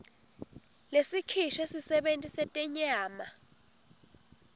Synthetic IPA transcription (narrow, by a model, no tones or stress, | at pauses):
lesikʰiʃɔesisɛɓentʼisɛtʼɛɲaːma